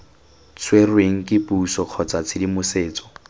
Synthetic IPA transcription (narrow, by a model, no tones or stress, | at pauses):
t͡sʰwerweŋ̩kʼɪpʼusɔq͡χʰɔt͡sat͡sʰɪdimʊseːt͡sɔ̥